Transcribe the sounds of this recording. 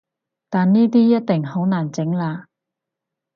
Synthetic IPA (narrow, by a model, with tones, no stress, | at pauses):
t̪aː˨nniː˥t̪iː˥jɐ˥t̚t̪ɪ˨ŋho˨˥wnaː˨˩nt͡sɪ˨˥ŋlaː˧